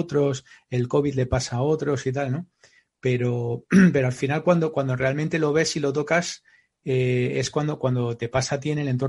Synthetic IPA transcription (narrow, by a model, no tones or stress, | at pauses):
t̪ɾo̞se̞lko̞β̞id̪le̞pasao̞t̪ɾo̞sit̪̬alno̞ | pe̞ɾo̞pe̞ɾo̞alfinalkwand̪o̞kwand̪ore̞almẽnt̪e̞lo̞βe̞silo̞t̪̬o̞kas | ee̞skwand̪o̞kwand̪o̞t̪e̞pasaːt̪̬ie̞ne̞le̞nt̪o̞